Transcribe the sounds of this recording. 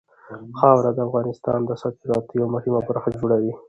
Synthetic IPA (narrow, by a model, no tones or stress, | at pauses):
xɑwɾad̪əafɣɑnɪst̪ɑ̰nd̪əasɑkɪɾɑt̪jawmʊhimabaɾxad͡ʒoɽawi